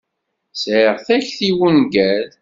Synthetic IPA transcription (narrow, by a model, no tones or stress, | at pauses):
sʕəʁθæçθiwunɡæl